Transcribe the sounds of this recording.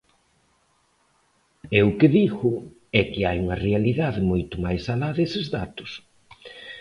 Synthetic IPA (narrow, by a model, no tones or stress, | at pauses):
ewkɪðiɣʊ | ɛkɪajuŋɐrealiðaðɪmojt̪ʊmajsalaðesɪzðat̪ʊ̥s